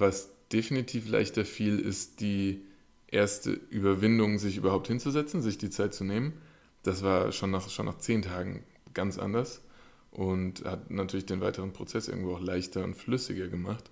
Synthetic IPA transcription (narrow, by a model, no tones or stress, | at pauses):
vasd̥efinitʰiːfla̰ɪçtɐfiːlɪ̰std̥iː | ʔeːɐstə̰ʔyːbɐvɪndʊŋzɪçʔyːbɐhaʊpthɪnt͡suzɛt͡sn̩zɪçd̥iːt͡saɪt̚t͡suneːmən | d̥asv̥aːɐʃoːnːaːχʃoːnʔaːχt͡seːntʰaːɡŋ̩ | ɡ̥ant͡sʔa̰ndɐs | ʔʊnthatnatʰyɐlɪçd̥eːnvaɪtəʁənpʁ̥ot͡sɛsʔɪɐɡŋ̩v̥oːaʊxlaɪçtɐʊ̰ntflʏsɪɡɐɡəmaχt